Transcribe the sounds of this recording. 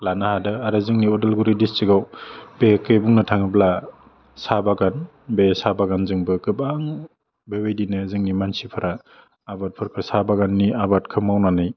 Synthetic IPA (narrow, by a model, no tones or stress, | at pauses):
lanahadɯaɾɯzɯŋniɔdelɡuɾidist͡ʃiɡawbekɯjbuŋnɯtʰaŋɯbla | sabaɡan | besabaɡanzɯŋbɯkɯbaŋ | bewejdinɯzɯŋnimansipʰaɾaː | bat̚pʰɯɾkʰɯsabaɡanːiabatkʰɯmːawnanɯj